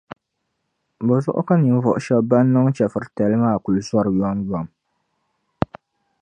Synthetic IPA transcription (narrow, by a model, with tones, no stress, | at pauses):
bo˨zʊ˦ʔʊ̰˦ka˦ni˨m˦vɔ˨ʔʊ˨ʃɛ˦bba˦nː˦ɨ˦ŋ˦t͡ʃɛ˨fɨ˨ɾɨ˨tɛ˨lɨ˦maː˦˨ku˨lu˨˦zɔ˦ɾɨ˨jɔ˦ŋbɔ˨m